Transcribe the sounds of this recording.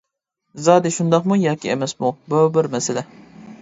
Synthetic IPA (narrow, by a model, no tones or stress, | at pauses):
zɑːd̪ɪʃund̪ɑqmujɑːkʲiemɛsmububɪɾmɛsɪlɛ